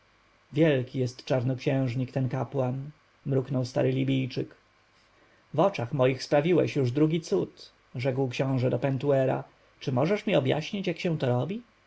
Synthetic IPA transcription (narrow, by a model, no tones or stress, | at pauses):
vʲjɛlkʲijɛst̪t͡ʂaɾnɨkɕɛ̃w̃ʐɲikt̪ɛnkapwan | mɾuknɔwst̪a̰ɾɘlʲibʲijt͡ʂɘk | vɔt͡ʂaxmɔjixspɾavʲiwɛ̰ɕjuʐd̪ɾuɡʲit̪sut̪ | ʐɛkwkɕɔ̃w̃ʐɛd̪ɔpɛnt̪uɛɾa̰ | t͡ʂɘmɔʐɛʂmʲiɔbja̰ɕɲit͡ɕjakɕɛ̃t̪ɔɾɔbʲi